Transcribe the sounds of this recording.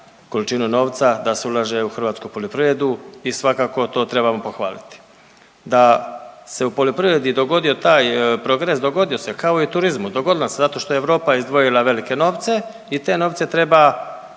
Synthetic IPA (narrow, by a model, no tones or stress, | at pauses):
ko̞lit͡ʃinuno̞ːʋt̪sad̪aseulˠaʒe̞uxr̩ʋaːt̪skupolʲjopɾiʋɾe̞d̪uisʋakaːko̞t̪o̞ːt̪ɾe̞βamo̞po̞xʋa̰ːlḭt̪i̥ | d̪ase̞upolʲjopɾiʋɾed̪id̪o̞ɡo̞d̪io̞t̪aːjpɾo̞ɡɾes̬d̪o̞ɡo̞d̪io̞se̞kao̞it̪uɾizmud̪o̞ɡo̞d̪ilˠasezat̪o̞ʃt̪o̞jeeʋɾo̞ːpaizd̪ʋo̞jilˠaʋe̞like̞no̞ːʋt̪se̞ | it̪e̞no̞ːʋt̪se̞t̪ɾe̞ba